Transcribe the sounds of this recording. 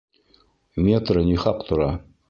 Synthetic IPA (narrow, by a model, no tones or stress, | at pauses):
mʲet̪ɾɤnʲiχɑqt̪ʰŏɾɑ